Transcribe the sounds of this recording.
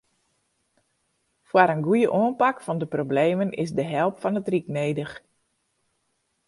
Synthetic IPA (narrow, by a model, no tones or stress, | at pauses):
fwaɾənɡujəʔoənpakfɔndəprobleːmənɪ̰sdəɦɛlˠpfɔnətrikneːdəx